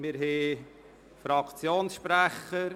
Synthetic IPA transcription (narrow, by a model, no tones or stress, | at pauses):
mɪɾɦeː | fɾɑkt͡sjoːnsʃpɾæχəɾ